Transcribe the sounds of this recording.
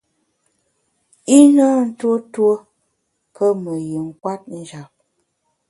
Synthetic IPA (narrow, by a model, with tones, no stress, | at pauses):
i˦naː˦n̩˦two˦two˦ | kə˦mə˨ji˨ŋ̩˦kwa˦t̚n̩˦d͡ʒa˨p̚